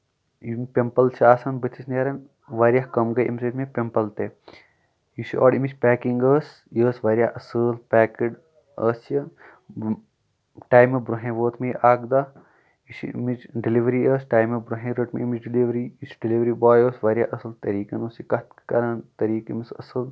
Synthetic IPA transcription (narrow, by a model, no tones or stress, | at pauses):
impempɐlt͡ʃʰiaːsanbɐt̪ʰisneːɾɐn | ʋaːɾjakɐmɡɐjʔḭmset̪ʰmẽpempɐlt̪e | jisiʔo̰ːɖimit͡ʃpɛːkiŋɡəːs | jəːsʋɐːɾjaːʔɐsɨːlpɛːkiɖ | əːsjɐ | ʈaːjmːebɾuɦẽːʋoːt̪ʰmeʔaːɡd̪a | isḭmit͡ʃɖiliʋɾiəːsʈaːjmebɾuɦẽɾəʈmḛimit͡ʃɖiliʋɾiisɖiliʋɾibaːjəːsʋaːɾʲjaʔɐsɨlt̪ɐɾiːkɐnuːsikɐt̪kkɐɾaːnt̪ɐɾiːkimisɐ̰sɨl